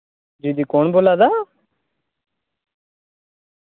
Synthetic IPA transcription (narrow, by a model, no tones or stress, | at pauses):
d͡ʒiːd̪iːkoːnboːlaːd̪aː